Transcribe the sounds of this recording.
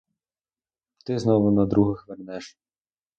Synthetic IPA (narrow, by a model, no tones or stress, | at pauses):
t̪ɪznɔʋʊnɐd̪ɾuɦɐxʋɛrnɛʃ